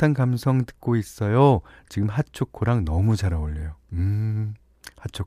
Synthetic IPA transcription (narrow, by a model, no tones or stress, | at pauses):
tʰankamsʰʌŋtɯ̥k̚k͈ois͈ʌjot͡ɕiɡɯmɦat͡ɕʰokʰoɾaŋnʌmud͡ʑaɾaoʎːʌjoɯ | hat͡ɕʰok